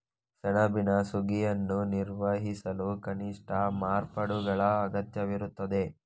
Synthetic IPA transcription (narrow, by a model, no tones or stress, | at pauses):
sɐɳɐbinɐsuɡijɐnːuniɾʋɐɦisɐlukɐniʂʈɐmaːɾpɐɽuɡɐɭɐːɡɐt̪jɐʋiɾut̪ːɐd̪e̞